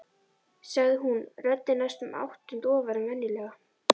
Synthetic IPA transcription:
saɣðɪɦunrœt̪ːɪnajst̪ʏma̰wht̪ʏnt̪ɔːvaɾɪnvɛnːɪlɛːɣa

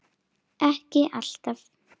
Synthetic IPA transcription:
ɛhkɪʔaɬt̪af

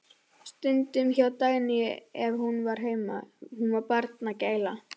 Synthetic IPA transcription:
st̪ʏnt̪ʏmçawt̪aːɣnɪɛvhunvaɾ̥ɦeːjmahunvaɾpaɾt̪naceːjla

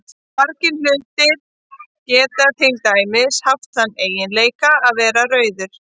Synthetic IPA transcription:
paɾcɪnlʏlt̪ɪɾ | cɛːt̪at̪ʰɪlt̪aːjmɪshaft̪θhanːeːjɪnleːjkaaðvɛːɾarœːɥðʏɾ̥

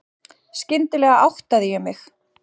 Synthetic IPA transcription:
scɪnt̪ɪlɛːɣaʔawht̪aðɪjɛɣmɪx

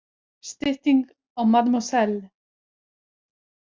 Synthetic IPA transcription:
st̪ɪht̪iŋk | awmat̪mɔsɛl

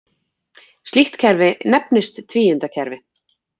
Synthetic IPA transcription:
st̪iht̪cʰɛɾvɪnɛpnɪst̪ʰːviːjʏnt̪acʰɛɾvɪ

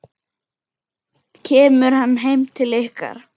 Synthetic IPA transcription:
cʰɛːmʏɾɦanːɦejmt̪ʰɪlehka̰ɾ̥

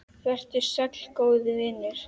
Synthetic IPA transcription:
θɛr̥t̪ɪ̥sɛkl̥koːwðɪvɪnːɪɾ̥

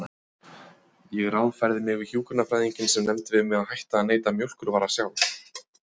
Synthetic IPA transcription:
jɛɣrawnfaɾðɪmɪɣɪçuːkʏnafɾajðiɲcɪnsɛmnɛmt̪ɪvɪmɪɣahajht̪aːðneːjt̪amjowl̥kʏɾvaːɾasjaw̪

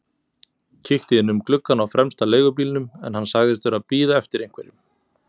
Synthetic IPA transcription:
cʰɪht̪ɪɪnʏmklʏkːanawfɾɛmst̪aleːjɣʏpiːlnʏmɛ̰nhansaɣðɪst̪vʏɾaðpiːðaɛft̪ɪɾejŋ̥kʰvɛɾɪm

